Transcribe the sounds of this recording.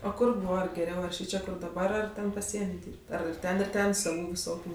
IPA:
oː ˈkʊr ˈbuːʋɐ ɡʲɛˈrʲɛʊ ɐr ˈʃʲiːt͡ʃʲɛ dɐˈbɐr ɐr ˈtʲɛn pɐˈsʲiɛnʲɪ ˈdʲiːrʲpʲtʲ ˈɐr ɪr ˈtʲɛn ɪr ˈtʲɛn sɐˈʋuː ʋʲɪˈsoːkʲuː

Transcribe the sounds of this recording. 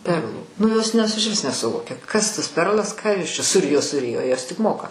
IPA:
ˈpʲɛrlˠuː nʊ joːs nʲɛs ɪʃʲˈʋʲɪs nʲɛsʊˈʋoːkʲɛ ˈkɐs tɐs ˈpʲɛrlˠɐs ˈkɑː ˈjoːs t͡ʃʲɛ sʊˈrʲɪjoː sʊˈrʲɪjoː ˈjoːs tʲɪk ˈmoːkɐ

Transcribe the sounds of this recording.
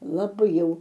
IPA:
lˠɐˈbɐɪ jɛʊ

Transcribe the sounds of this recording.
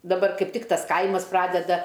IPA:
dɐˈbɐr ˈkɐɪp ˈtʲɪk ˈtɐs ˈkɐɪmɐs ˈprɑːdʲɛdɐ

